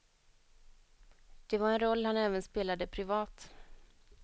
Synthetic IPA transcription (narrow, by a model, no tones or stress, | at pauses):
d̪̥ɛvaɾɛnɾɔlːhanɛːvənspeːlad̪əpʰɾɪvɑːt̪